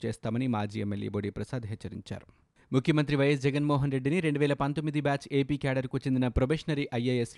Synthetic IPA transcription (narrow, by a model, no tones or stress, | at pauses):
t͡ʃeːst̪aːmɐnimaːd͡ʒiːemːeljḛːboːɽiːpɾɐsaːd̪ɦet͡ʃːɐɾḭɲt͡ʃa̰ːɾu | mukʰjɐmɐnt̪̬ɾiʋɐjɐs̬d͡ʒɛɡɐnmɔːɦɐnɾe̞ɖːiniɾe̞ɳɖuʋɛːlɐpɐnt̪o̞mːid̪ibaːt͡ʃeːpiːkaːɖɐɾkuːt͡ʃe̞nd̪inɐpɾobeːʂnɐɾiʔɐjeːjes